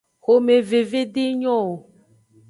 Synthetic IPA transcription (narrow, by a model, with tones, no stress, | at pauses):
xo˨me˨ve˨ve˦ɖe˦ɲɔ̃˦o˨